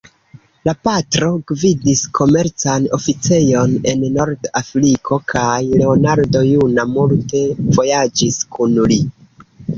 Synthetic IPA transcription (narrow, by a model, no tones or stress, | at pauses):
lapatɾo̞ɡvidiskʰo̞me̞ɾt͡sano̞fit͡se̞jo̞ne̞nːo̞ɾdafɾikʰo̞kʰajle̞onaɾdo̞junamulte̞vo̞jad͡ʒiskunli